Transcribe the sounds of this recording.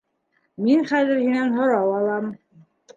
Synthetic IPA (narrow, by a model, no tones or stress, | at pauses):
minχæðɘɾhinænɦŏɾɑwɑlˠɑm